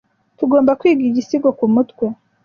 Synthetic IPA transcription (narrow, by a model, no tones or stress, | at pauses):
tuɡo̞ːmbakwiːɡiɟisiɡokumutwe